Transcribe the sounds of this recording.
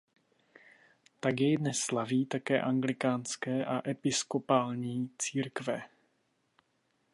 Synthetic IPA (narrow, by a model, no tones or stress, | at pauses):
t̪aɡjɛjdnɛsːlaviːt̪akɛ̰ːʔaŋɡlɪkaːnskɛːʔaʔɛpɪskopaːlɲiːt͡siːɾkvɛ